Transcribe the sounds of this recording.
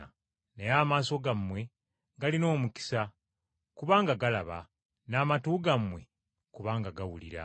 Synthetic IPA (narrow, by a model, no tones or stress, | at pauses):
nejaːmaːso̞ɡamːwe̞ | ɡalino̞ːmuki̥sa | kuβaːŋɡaɡalaβa̰ | naːmatuːɡamwe̞̰ | kuβaːŋɡaɡawulḭɾa̰